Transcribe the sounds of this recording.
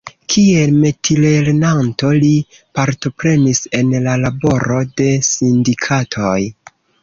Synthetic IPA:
kʰielme̞tʰile̞ɾnanto̞li | paɾto̞pɾe̞nise̞nlalabo̞ɾo̞de̞sindikʰatʰoj

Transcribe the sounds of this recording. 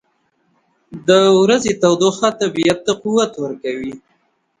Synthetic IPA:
d̪əwɾazet̪awd̪oxat̪abijat̪ːaquwat̪wəɾkawi

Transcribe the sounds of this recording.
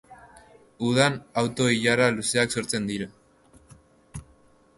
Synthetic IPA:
uðanawt̪o̞iʎaɾaluse̞akso̞ɾt͡se̞nd̪iɾu

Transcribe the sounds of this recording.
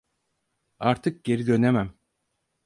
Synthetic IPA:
ɑɾt̪ʰɯk̚ɟe̞ɾid̪ønemæm

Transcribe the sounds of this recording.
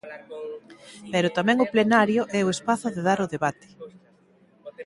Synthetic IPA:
pɛɾʊt̪amɛ̃ŋʊplenaɾjʊʔɛʊespaθʊðeðaɾʊðeβat̪ɪ̥

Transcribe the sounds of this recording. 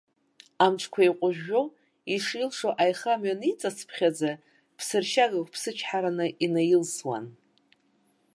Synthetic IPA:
amt͡ʃʰkʷʰaiqʷʼʊʒᶣːo | iʂilʂoʔajχamɥanit͡sʼasʰpʰχʲad͡za | pʰsɨrʃaɡakʷpʰsɨt͡ʃʰħaɾanɨʔinajɪlswa̰n

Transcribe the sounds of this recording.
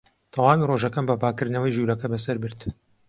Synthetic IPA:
t̪ʰɐwaːmiroːʒɐkɐmbɐpaːkɨɾnɐwɐjʒuːɾɐkɐbɐsɐɾbɨɾt̪

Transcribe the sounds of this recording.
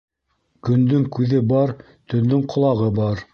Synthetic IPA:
kɵ̆nd̪ɵŋkʉðɘbɑɾ | t̪ɵ̆nd̪ɵŋqʰŏlˠɑʁɤbɑɾ

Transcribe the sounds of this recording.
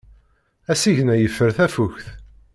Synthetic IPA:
æsiʝnæjəfːəɾθæfuçθ

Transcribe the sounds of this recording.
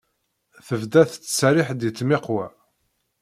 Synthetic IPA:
θəvd̪æθt͡sːsɾɪħd̪jət͡sːmɪqwæ

